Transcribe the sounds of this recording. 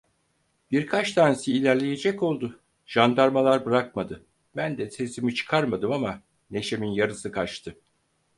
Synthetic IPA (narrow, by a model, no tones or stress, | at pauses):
b̥iɾkʰat͡ʃt̪ʰansiːlʲæɾlʲe̞je̞d͡ʒɛko̞lˠd̪ʊ | ʒ̥and̪aɾmalˠaɾbɯɾakmad̪ɯ | bænd̪ɛse̞simit͡ʃʰɯ̥kʰaɾmad̪ɯmama | ne̞ʃe̞minjaɾɯsɯkʰat͡ʃt̪ʰɯ